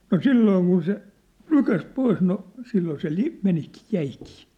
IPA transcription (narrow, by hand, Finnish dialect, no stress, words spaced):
no silːoːŋ kun se nykæs pois no silːoː se li menikiː jæikiː